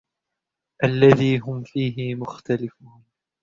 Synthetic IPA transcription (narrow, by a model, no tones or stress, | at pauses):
ʔalːaðiːɦʊmfiːɦɪmʊxt̪alɪfʊːn